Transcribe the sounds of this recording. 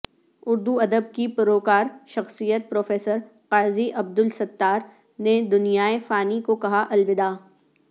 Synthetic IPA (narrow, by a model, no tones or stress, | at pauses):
ʊɾd̪uɐd̪əb̚kipʊɾoːkaːɾʃɐxsijət̪̚pɾoːfeːsəɾ | qaːɾziʔɐb̚d̪ʊlsɐt̪ːaːɾ | ned̪ʊnijaːefaːnikokɐɦaʔɐlʋɪd̪aː